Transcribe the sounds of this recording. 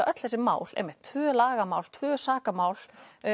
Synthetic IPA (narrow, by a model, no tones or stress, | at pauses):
aʔœt̪l̥θɛsɪma̰ːwlɛ̰mɛ̥t̪ʰvœːlaːɣamaːwlt̪ʰvœːsaːkamaːwl